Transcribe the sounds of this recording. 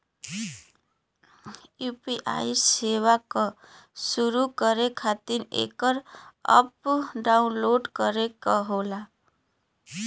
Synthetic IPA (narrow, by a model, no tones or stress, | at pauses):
jupiʔa̰jsewakʌsuɾukʌɾekʰat̪iɾḛkʌɾʌ̰pɖawnloɖkʌɾekʌɦola